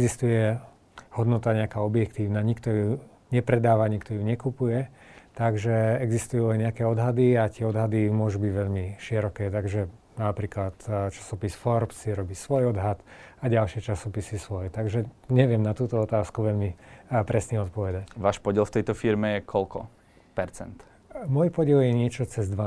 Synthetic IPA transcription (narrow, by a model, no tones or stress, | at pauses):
ɛɡzist̪ujɛ | hɔd̪nɔt̪aɲɛakaːɔbjɛkt̪iːʊnaːɲikt̪ɔju | ɲɛpɾɛd̪aːʋaɲikt̪ɔjuɲɛkupujɛ | t̪aɡʒɛɛɡzist̪ujuːlɛɲɛakɛːɔd̪ɦad̪iat̪ɪɛɔd̪ɦad̪imʊɔʒubiɟʋɛʎmiʃiɛɾɔkɛːt̪aɡʒɛ | napɾiːklat̪t͡ʃḁsɔpisfɔɾpsiɾɔbisʋɔjɔd̪ɦat̪aɟalʃɪɛt͡ʃasɔpisisʋɔjɛt̪aɡʒɛɲɛʋɪɛmnat̪uːt̪ɔɔt̪aːskuʋɛʎmipɾɛsniɔt̪̚pɔʋɛd̪aʋaːʃpɔɟɪɛlft̪ɛjt̪ɔfiɾmɛjɛkʰɔlkɔ̰ | pɛɾt͡sɛ̰nt̪ | mɔjpɔɟɪɛljɛɲɪɛt͡ʃɔt͡sɛzd̪ʋa